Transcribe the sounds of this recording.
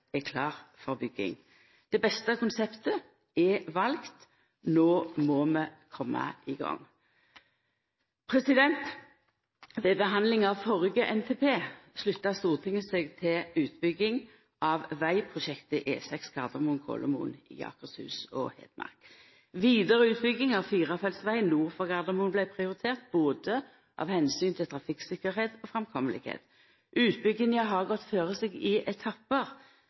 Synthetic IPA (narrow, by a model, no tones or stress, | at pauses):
ɛkʰlɑːʁfɔʁbʏɡːɪ̰ŋ | d̪̥ɛbɛst̪əkʊnsɛpt̪ə | ɛʋɑlɡt̪ | noːmoːməkʰɔmːɑ̰ʔɪɡɑ̰ŋː | pʰʁɛsɪd̪ɛnt̪ | ʋebəɦɑnd̪lɪŋɑːʋfɔʁəɡəʔɛnt̪ʰeːpʰeːslʉt̪ːɑst̪uːʁt̪ʰɪŋəseːɡt̪ʰɪlʉːt̪bʏɡɪŋ | ʔɑʋʋæɪpʰʁʊʃɛkt̪əʔeːsɛkskʰɑʁd̪əʁmunkʰo̰ləmṵːnɪ̰ɑ̰ːkəshʉ̰ːsɔ̰hɛ̰ːd̪mɑ̰ʁk | ʋiːd̪əʁəʉːt̪bʏɡɪŋɑʋfiːʁɑfɛlsʋæɪənnuːʁfɔʁɡɑʁd̪əmuːnblæɪpʰʁɪʊʁɪt̪ʰeːʁt̪̚b̥oːd̪ə | ʔɑ̰ʋhɛnsyːnt̪ʰɪlt̪ʰʁɑfɪksɪkːəʁheːt̪ɔfʁɛmkʰɔməlɪ̰khḛːt̪ | ʔʉːt̪̚bʏɡːənjæɦɑʁɡɔt̪ːføːʁəseɡɪʔɛt̪ʰɑpːəʁ